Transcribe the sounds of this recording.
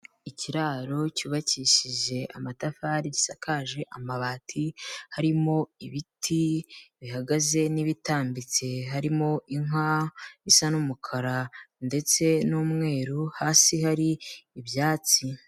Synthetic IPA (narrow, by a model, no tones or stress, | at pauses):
iciɾaːɾo̞cuːβaciʃiʒe̞ʔa̰matafaɾiɟisakʰaːʒeʔamaβaːtʰihaɾimo̞iβitʰiβihaɡaze̞niβitaːmbit͡se̞ɦaɾimo̞ʔiŋaisanumukʰaɾande̞t͡se̞nuːmŋe̞ːɾuhaːsihaɾiːβjaːt͡si